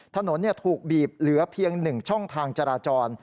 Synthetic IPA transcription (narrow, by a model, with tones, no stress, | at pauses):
t̪ʰa˧no˩˦nːi˥˩ɐt̪ʰuː˨˩k̚biː˨˩p̚lɯ˩˦ɐpʰi˧əŋnɯ˨˩ŋt͡ɕʰɔ˥˩ŋt̪ʰaː˧ŋt͡ɕaː˧ɾaː˧t͡ɕɔː˧n